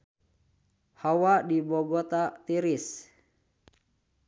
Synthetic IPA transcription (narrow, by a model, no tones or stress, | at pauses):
hawadibɔɡɔt̪at̪iɾis